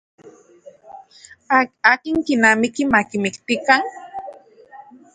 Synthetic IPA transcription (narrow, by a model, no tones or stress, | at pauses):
akɪŋkɪnamɪkɪmakɪmɪkt̪ɪkaŋ